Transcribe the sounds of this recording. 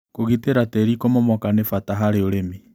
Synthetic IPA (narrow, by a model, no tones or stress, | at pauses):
koɣiteɾatɛɾikɔmɔmwakanefataɦaɾeoɾemi